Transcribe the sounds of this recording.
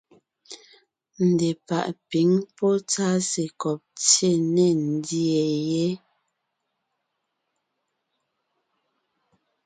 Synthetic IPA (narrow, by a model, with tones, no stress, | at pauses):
n̩˨dɛ˨pa˨ʔpi˨˦ŋpɔ˦t͡sa˦se˨kɔ˨p̚t͡sje˦˨nɛ˨n̩˦dji˦ɛ˨jɛ˦